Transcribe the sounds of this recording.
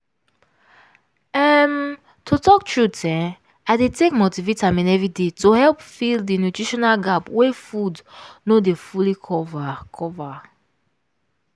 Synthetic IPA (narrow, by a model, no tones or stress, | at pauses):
ɛm | tʰotʰɔk̚tʰɹutʰɛ̃n | aɪdetekmotivetamĩnɛvɹidetohɛlpfilˠddinutɹiʃɔnalɡapwefudnodefulikʰɔvakʰɔva